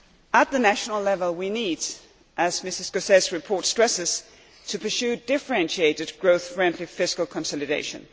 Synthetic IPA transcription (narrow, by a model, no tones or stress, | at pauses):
ʔət̪̚ðɨnæʃn̩l̩ˠlɛvəl̩ˠwiniɾ | ʔɨzmɪsɨz̥kosɛzɹɨpʰɔɹtstɹ̥ɛsɨz̥ | tʰɨpʰə˞sʉdɪfə˞ɛ̃nʃieɪɾɨd̚ɡɹoʊθfɹɛ̃ndˡlifɪskl̩ˠkʰə̃nsɑlˠɨdeɪʃɨ̰̃n